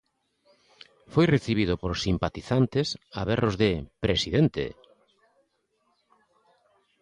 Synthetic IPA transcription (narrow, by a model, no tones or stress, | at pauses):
fojreθiβið̞ʊpoɾsimpat̪iθant̪esa̰βerozðepɾesiðent̪ḛ